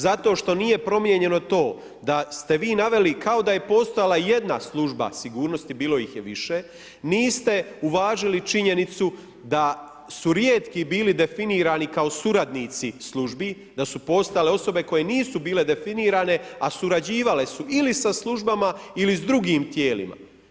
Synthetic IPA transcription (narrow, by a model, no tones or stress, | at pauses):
zat̪o̞ːʃt̪o̞niːje̞pɾo̞mje̞ɲe̞no̞t̪o̞ː | d̪ast̪e̞ʋiːnaʋe̞likʰao̞d̪aje̞po̞st̪ojalˠaje̞d̪naslˠuʒba̰siɡuːɾno̞st̪ibiːlo̞jixjeʋiʃe | niːst̪e̞uʋaːʒilit͡ʃiɲe̞nit̪su | d̪a | suɾjeːt̪kibiːlid̪e̞finiːɾaːnikao̞suɾad̪nit̪sislˠuʒbi | d̪asupo̞st̪ale̞o̞so̞be̞ko̞je̞niːsubiːle̞d̪e̞finiːɾaːne̞asuɾad͡ʑiːʋale̞suʔilisaslˠuʒbamailizd̪ɾuɡiːmt̪jeːlḭma̰